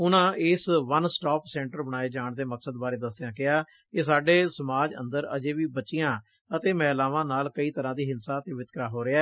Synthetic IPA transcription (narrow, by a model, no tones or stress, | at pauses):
ʊnãːʔɪsʋənsʈɔːpsɛ̃ːɳʈəɾbəɽ̃aːeːd͡ʒaːɳd̪eːməksəd̪baːɾeːd̪əsd̪ejãːkɪaː | kɪs̬aːɖeːsəmaːd͡ʒə̰̃nd̪əɾə̰d͡ʒeːʋiːbəʃijãː | ət̪eːmɛ̃ːlaːʋãːnaːlkəiːt̪əɾãːd̪iːɦɪnsaːət̪eːʋɪt̪kɾaːɦoːɾɪaː